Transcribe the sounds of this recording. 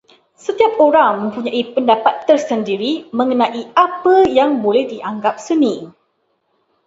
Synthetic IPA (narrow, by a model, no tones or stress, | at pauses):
sət̪iap̚oɾaŋmə̃mpuɲãʔipəndapat̪ːərsəndiɾimə̃ŋənãʔiapəjaŋbolɛhdiʔaŋɡap̚sənĩ